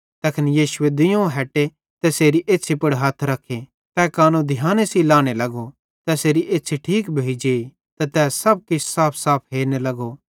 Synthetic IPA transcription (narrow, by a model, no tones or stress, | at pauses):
t̪ɛkʰɐnjiːʃʊed̪ɪjõɦɛːʈe | t̪ɛseːɾiʔeːt͡ʃʰipɐɽɦɐt̪ʰɾɐkʰːe | t̪ɛkaːnũd̪ʱɪjãːnesilaːɽ̃elɐɡo | t̪ɛseːɾiʔeːtːt͡ʃʰiʈʰiːkbʱeid͡ʒeːi | t̪ɛt̪ɛːsɐb̚kɪt͡ʃʰsaːpʰsaːpʰɦeːɾnelɐɡo